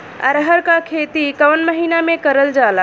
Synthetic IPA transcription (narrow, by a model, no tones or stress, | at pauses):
a̰ɾəɦəɾkakʰet̪ikəwnməɦinamẽkəɾəld͡ʒaːla